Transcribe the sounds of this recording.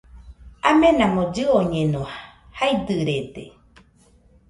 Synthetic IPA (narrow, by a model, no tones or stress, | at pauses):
amẽnãmõd͡ʒɨoɲẽnõhajd̪ɨɾed̪ḛ